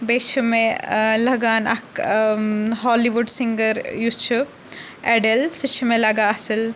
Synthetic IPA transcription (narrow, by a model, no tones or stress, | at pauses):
beːʃʰumelɐɡaːnɐ̰k | ɦɔːliʋuɖsiŋɡɐɾjut͡ʃʰu | eɖɐlsit͡ʃʰumelɐɡaɐsil